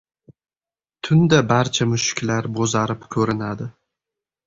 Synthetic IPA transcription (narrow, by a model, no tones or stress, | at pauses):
t̪ʰʊnd̪abaɾt͡ʃʰamʊʃɪ̥kʲlaɾbozaɾɪpkʲʰɵɾɪnad̪ɪ